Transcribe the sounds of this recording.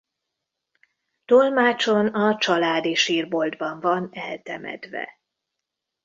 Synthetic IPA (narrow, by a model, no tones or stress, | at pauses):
t̪o̞lmaːt͡ʃo̞nɒt͡ʃɒlaːd̪iʃiːrbo̞ld̪bɒɱvɒnɛlt̪ɛ̰mɛ̰d̪vɛ̰